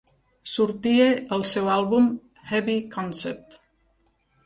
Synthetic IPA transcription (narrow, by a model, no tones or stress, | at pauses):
suɾt̪ieəlˠsɛwalˠβum | hɛβikɔnsɛp̚t̪